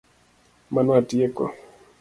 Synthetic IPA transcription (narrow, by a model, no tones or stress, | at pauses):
manwatiekɔ̰